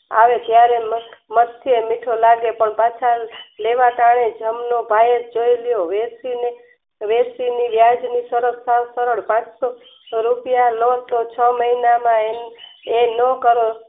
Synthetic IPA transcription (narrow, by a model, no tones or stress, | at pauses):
a̰ʋet̪jaɾemmət̪ʰːjemiʈʰolaɡepəɳpat͡ʃʰaleʋakaɳ̃ed͡ʒəmnobʱajet̪̚d͡ʒoiljoʋesine | ʋesiniʋjad͡ʒnisəɾəɾsawsəɾəɽpãt͡ʃso | ɾupjalõt̪ot͡ʃʰəməinamãeenəkəɾo